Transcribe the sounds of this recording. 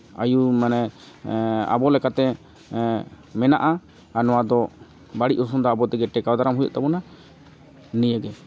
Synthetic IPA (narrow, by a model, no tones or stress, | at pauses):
a̰jumanɛ | a̰bɔlɛkat̪ɛ | mɛna̰ʔa | anɔwad̪ɔ | baɽiʔ̚us̬umd̪ɔabɔt̪ɛɡɛʈɛkawd̪aɾamɦujɔ̰ʔt̪abɔna | nijəɡɛ